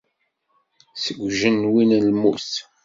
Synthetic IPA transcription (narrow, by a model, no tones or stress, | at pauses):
səɡʷʒənwinəlmust